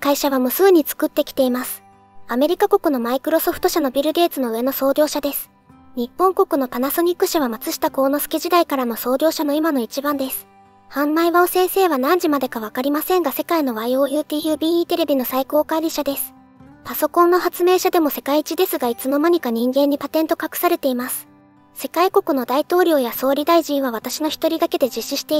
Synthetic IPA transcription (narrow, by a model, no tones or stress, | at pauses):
kaiɕaβamɯ̟sɨɯɲ̟it͡sɨ̥kɯ̟t̪ːe̞kʲi̥t̪e̞imasɨ̥ | ame̞ɾʲikako̞kɯ̟no̞maikɯ̟ɾo̞so̞ɸɯ̥t̪o̞ɕano̞bʲiɾɯ̟ɡ̪e̞ːt͡sɨno̞ɯ̟e̞no̞so̞ːd̪ʲo̞ːɕad̪e̞sɨ̥ | ɲ̟ipːõŋko̞kɯ̟no̞t̪anaso̞ɲ̟ikːɯ̟ɕaβ̞amat͡sɨɕi̥t̪ako̞ːno̞sɨ̥ke̞ʑid̪aikaɾano̞so̞ːd̪ʲo̞ːɕano̞imano̞it͡ɕibãnd̪e̞sɨ̥ | hãmbaiβaosẽ̞ɰ̃se̞ːβanãɲ̟d͡ʑimad̪e̞kaβakaɾʲimasẽ̞ŋɡase̞kaino̞βaio̞ːjɯ̟ːt̪ʲiːjɯ̟ːbʲiːiːt̪e̞ɾe̞bʲino̞saiko̞ːkaiɾʲiɕad̪e̞sɨ̥ | paso̞kõ̞nːo̞hat͡sɨme̞ːɕad̪e̞mo̞se̞kait͡ɕid̪e̞sɨɡait͡sɨmo̞maɲ̟ikaɲ̟ĩŋɡẽ̞ɲ̟ːipat̪ẽ̞nt̪o̞kakɯ̟̥saɾe̞t̪e̞imasɨ̥ | se̞kaiko̞kɯ̟no̞d̪ait̪o̞ːɾʲo̞ːjaso̞ːɾʲid̪aiʑĩɰ̃β̞aβ̞at̪aɕino̞çi̥t̪o̞ɾʲid̪ake̞d̪e̞d͡ʑiɕːiɕi̥t̪e̞